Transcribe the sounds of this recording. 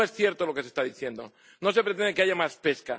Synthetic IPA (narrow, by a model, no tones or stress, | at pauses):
esθje̞ɾt̪olo̞kesest̪aðiθje̞nd̪o̞̰ | no̞se̞pɾe̞t̪end̪ekeaʝamaspe̞ska̰